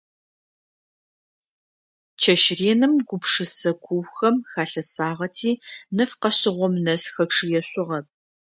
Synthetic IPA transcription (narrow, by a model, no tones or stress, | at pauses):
t͡ʃʰɐʃreːnɨmɡʷʊpʂɨsɐkʷʰʊwxɐmxaːɬɐsaːʁɐtʰiːnɨfqɐɕɪʁʷɔmnɐsxɐʈ͡ʂʰɨjɛɕʷʼʊʁɐp̚